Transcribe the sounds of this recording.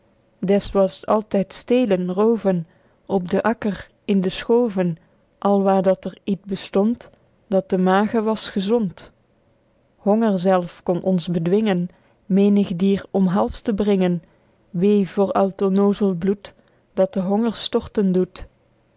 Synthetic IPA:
dɛsʋɑsɑlˠtɛjtsteːjlənrowvən | ɔb̚dəʔɑkər | ɪndəsχowvən | ʔɑlˠʋaːɹdɑtɛɹitbəstɔnt | d̥ɑt̚dəmaːχəʋɑsχəzɔnt | hɔŋəɹzɛlˠfkɔnʔɔnzbədʋɪŋən | meːnəχdiːɹɔmɦɑlˠstəbrɪŋən | ʋejvoːɹɑwtonowzəlˠblut | dɑt̚dəɦɔŋəɹstɔɹtəndut

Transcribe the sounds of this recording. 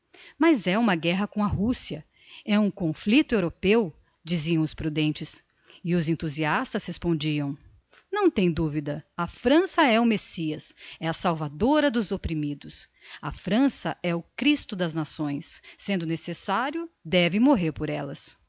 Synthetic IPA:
mɐzɛũmɐɡɛɦɐkõw̃ɐɦusiɐ | ɛũkõflit̪ʊewɾopew | d͡ʒiziɐ̃w̃ʊspɾud̪ẽnt͡ʃɪs | ɪʊzẽnt̪uziast̪ɐshespõnd͡ʒiɐ̃w̃ | nɐ̃w̃t̪ẽj̃d̪uvid̪ɐɐfɾɐ̃sɐɛʊmesiɐsɛɐsawvad̪oɾɐd̪ʊzopɾimid̪ʊs | ɐfɾɐ̃sɐʔɛʊkɾist̪ʊd̪ɐznasõj̃sːẽnd̪ʊnesesaɾjʊd̪ɛvɪmoɦeɾpoɾɛlɐs

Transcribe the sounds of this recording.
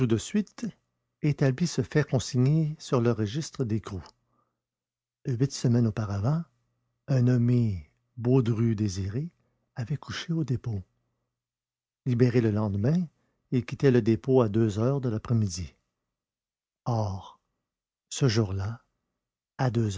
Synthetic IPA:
t̪ud̪əsɥit̪ | et̪ablisəfɛʁkɔ̃siɲesyʁləʁəʒist̪ʁəd̪ekʁu | ɥit̪səmɛnopaʁavɑ̃ | ɛ̃nɔme | bod̪ʁyd̪eziʁe | avɛkʰuʃeod̪epo | libeʁeləlɑ̃d̪mɛ̃ | ɪkʲit̪ɛləd̪epoad̪øzœːʁd̪əlapʁɛmid̪i | ɔːʁ | səʒuːʁla | ad̪øz

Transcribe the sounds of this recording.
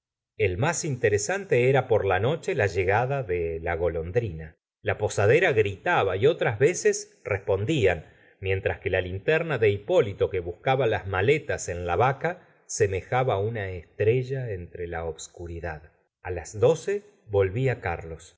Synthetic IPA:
e̞lmasint̪eɾesant̪eeɾapo̞ɾlano̞t͡ʃelaʒeɣaðaðelaɣo̞lo̞nd̪ɾina | lapo̞sað̞eɾaɣɾit̪aβaio̞t̪ɾazβe̞ses | respo̞nd̪ian | mje̞nt̪ɾaske̞lalint̪ɛɾnaðe̞ipo̞lit̪o̞keβuskaβalazmale̞t̪ase̞nlaβaka | se̞me̞xaβaunaest̪ɾeʒaent̪ɾelaoβskuɾiðað | alazðo̞se | βo̞lβiaka̰ɾlo̞s

